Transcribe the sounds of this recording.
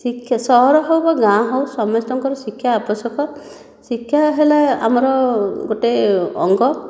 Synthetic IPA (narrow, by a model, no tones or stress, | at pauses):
sikʰːjasɔɦɔɾɔɦowbaɡãɦowsɔmɔst̪ɔŋkɔɾɔsikʰːjaːpɔsɔkɔ | sikʰːjaɦelaa̰mɔɾɔɡoʈeɔ̰ŋɡɔ